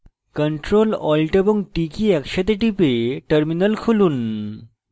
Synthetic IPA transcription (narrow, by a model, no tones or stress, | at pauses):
kəɳʈɾolɔlʈəboŋɡʈikiɛkɕat̪eʈipeʈəɾminəlkʰoluːn